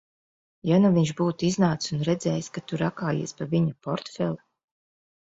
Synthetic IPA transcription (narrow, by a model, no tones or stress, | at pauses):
januviɲʃbuːt̪iznaːt̪unɾɛd̪zɛːjskat̪uɾakaːjḭɛspaviɲapɔɾt̪fɛlˠa